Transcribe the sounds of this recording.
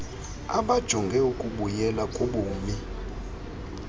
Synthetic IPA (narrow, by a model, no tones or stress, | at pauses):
aɓad̥ʒ̥ʱɔŋɡʱɛukʼuɓujɛlakʼoɓuːmi